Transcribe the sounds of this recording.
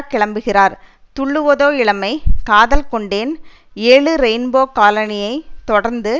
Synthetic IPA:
kɪɭɐmbɯɣɪraːɾ | t̪ʊɭːɯʋɐðoːɪɭɐmɐɪkaːðɐlkɔɳɖeːn | eːɭɯɾɛɪnboːkaːlɐnɪjɐɪt̪ɔɽɐɾnd̪ɯ

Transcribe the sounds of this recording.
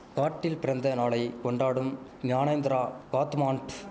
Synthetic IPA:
kaːʈːɪlpɪɾɐnd̪ɐnaːɭɐɪkɔɳɖaːɽɯmnjaːnɐjnd̪ɪɾaːkaːt̪maːɳʈ

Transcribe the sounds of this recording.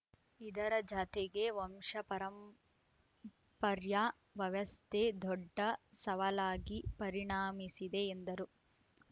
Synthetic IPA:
id̪ɐɾɐd͡ʒat̪ɛɡe̞ʋɔmʂɐpɐɾɐm | pɐɾja | ʋɐʋɐst̪ʰed̪ɔɖːɐsɐʋɐlaːɡipɐɾiɳaːmisid̪eːnd̪ɐɾu

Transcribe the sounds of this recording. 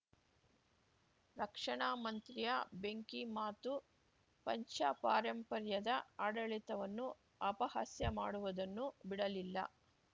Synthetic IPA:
ɾɐkʂɐɳaːmɐnt̪ɾijɐbe̞ŋkimaːt̪u | pɐɲt͡ʃɐpaːɾɐmpɐɾjɐd̪ɐaːɽɐɭit̪ɐʋɐnːu | ɐpɐha̰sjɐmaːɽuʋud̪ɐnːubiɽɐlilːɐ̰

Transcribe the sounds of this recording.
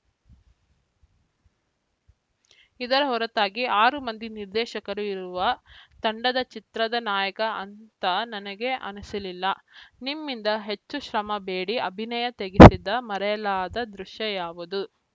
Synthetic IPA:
id̪ɐɾɐɦɔɾɐt̪aːɡiaːɾumɐnd̪iniɾd̪ɛːʃɐkɐɾuiɾuʋɐt̪ɐɳɖɐd̪ɐt͡ʃit̪ɾɐd̪ɐnaːjɐkɐɐnt̪ɐnɐnɐɡe̞ʔɐ̰nɐsɐlilːɐnimːind̪ɐɦe̞t͡ʃːuʃɾɐmɐbeːɽiɐbʱinɐjɐt̪eɡisid̪ːɐmɐɾɛjɐlaːd̪ɐd̪ɾuʃjɐjaːʋud̪u

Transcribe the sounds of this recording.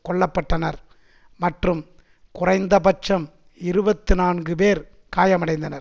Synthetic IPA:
kɔɭːɐpːɐʈːɐnɐɾ | mɐʈrɯm | kʊrɐɪnd̪ɐpɐt͡ʃːɐm | ɪɾɯbɐt̪ːɯnaːnɡɯpeːɾ | kaːjɐmɐɽɐɪnd̪ɐnɐɾ

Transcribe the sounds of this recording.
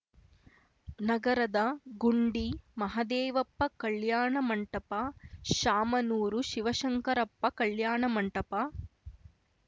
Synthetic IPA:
nɐɡɐɾɐd̪ɐɡuɳɖimɐɦɐd̪ɛːʋɐpːɐkɐɭjaːɳɐmɐɳʈɐpaʃaːmɐnuːɾuʃiʋɐʃɐŋkɐɾɐpːɐkɐɭjaːɳɐmɐɳʈɐpa

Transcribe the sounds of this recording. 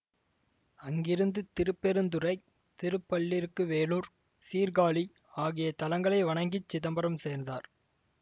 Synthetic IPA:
ɐŋɡɪɾɯnd̪ɯt̪ɪɾɯpːɛɾɯnd̪ɯrɐɪ | t̪ɪɾɯpːɐɭːɪɾɯkːɯʋeːluːɾ | siːɾɡaːɭi | aːɣɪjɐt̪ɐlɐŋɡɐɭɐɪʋɐɳɐŋɡɪt͡ʃːɪðɐmbɐɾɐmseːɾnd̪aːɾ

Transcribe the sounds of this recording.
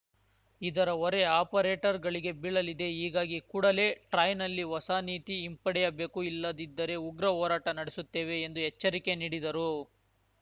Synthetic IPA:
id̪ɐɾɐɔɾe̞aːpɐɾe̞ːʈɐɾɡɐɭiɡe̞biɭɐlid̪e̞ɦiːɡaːɡikuːɽɐle̞ːʈɾɐjnɐlːiʋɔsaːniːt̪iːmpɐɽɛjɐbe̞ːkuilːɐd̪id̪ːɐɾe̞uɡɾɐɦɔːɾaːʈɐnɐɽesut̪ːe̞ːʋe̞ːnd̪uɦɛt͡ʃːɐɾikeniːɽid̪ɐɾu

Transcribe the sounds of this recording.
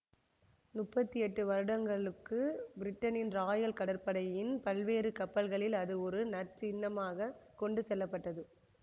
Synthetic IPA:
nʊpːɐt̪ːiɛʈːɯʋɐɾɯɽɐŋɡɐɭɯkːɯbɪɾɪʈːɐnɪnɾaːjɐlkɐɽɐɾpɐɽɐjɪnpɐlʋeːɾɯkɐpːɐlɣɐɭɪlɐðɯɔɾɯnɐɾt͡ʃɪnːɐmaːɣɐkɔɳɖɯsɛlːɐpːɐʈːɐðɯ

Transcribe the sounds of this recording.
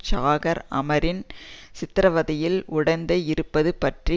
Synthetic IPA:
t͡ʃaːɣɐɾɐ̰mɐɾɪnsɪt̪ːɪɾɐʋɐðɐjɪlʊɽɐnd̪ɐɪɾɯpːɐðɯpɐʈri

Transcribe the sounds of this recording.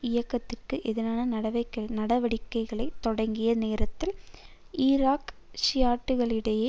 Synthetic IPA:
ɪjɐkːɐt̪ːɪrkɯʔɛðɪnaːnɐnɐɽɐʋɐɪkːɐɭnɐɽɐʋɐɽɪkːɐɪɣɐɭɐɪt̪ːɔɽɐŋɡɪjɐneːɾɐt̪ːɪl | ʔiːɾaːk | sɪjaːʈːɯɣɐɭɪɽɐjeː

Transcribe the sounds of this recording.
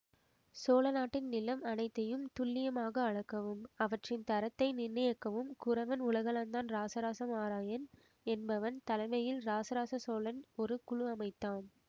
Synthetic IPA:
soːlɐnaːʈːɪnnɪlɐmɐnɐɪt̪ːɐjɯmt̪ʊlːɪjɐmaːɣɐːɻɐkːɐʋɯmɐʋɐʈrɪnt̪ɐɾɐt̪ːɐɪnɪrːɪjɐkːɐʋɯmkʊɾɐʋɐnʊɭɐɣɐɭɐnd̪aːnɾaːsɐɾaːsɐmaːɾaːjɐn | ɛnbɐʋɐnt̪ɐlɐɪmɐjɪlɾaːsɐɾaːsɐsoːɭɐnɔɾɯkʊɻʊɐmɐɪt̪ːaːn

